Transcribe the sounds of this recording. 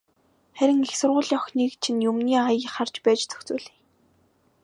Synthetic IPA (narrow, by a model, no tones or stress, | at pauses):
χæɾʲɪ̆ŋexsʊrʁʊːɮiːɔxniːkt͡ɕʰinjɵmniːajə̆χart͡ɕpæːt͡ɕt͡sʰɵ̥xt͡suːɮiː